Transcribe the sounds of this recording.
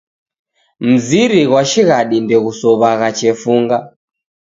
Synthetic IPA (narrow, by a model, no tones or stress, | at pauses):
m̩ziɾiɣwaʃiɣaɗindɛɣusɔβaɣat͡ʃɛfuŋɡa